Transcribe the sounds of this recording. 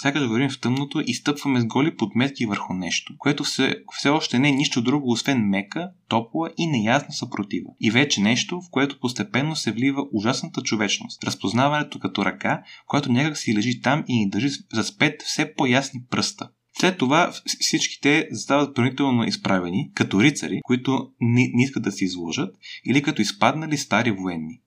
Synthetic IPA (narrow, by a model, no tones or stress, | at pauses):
sʲakəd̪ɐɡoɾimft̪ɤmnot̪oʔist̪ɤpvɐmɛzɡɔlipod̪mɛt̪kivəɾxʊnɛʃt̪o̥koɛt̪osɛfsɛɔʃt̪ɛnɛniʃt̪od̪ɾuɡoːsvɛnmɛkət̪ɔplˠəʔinɛjasnɐsɐpɾot̪ivo̰ivɛt͡ʃɛnɛʃt̪ofkoɛt̪o̥post̪ɛpɛnːosɛvlivəʔuʒasnɐt̪ət͡ʃovɛt͡ʃno̰st̪ɾɐspoznavɐnɛt̪okɐt̪ɔɾʔɐkakojat̪onʲakəksilɛʒit̪aminid̪əɾʒizɐspɛt̪fsɛpɔjasnipɾɤst̪ə | slɛt̪ːovafsit͡ʃki̥t̪ɛzɐst̪avɐt̪̚bɾɐnit̪ɛlˠnoʔispɾavɛnikɐt̪ɔɾit̪sə̰ɾikoit̪ʊnniskət̪d̪ɐsɛizlˠɔʒət̪ilikɐt̪ɔispad̪nɐlist̪aɾivoɛnːi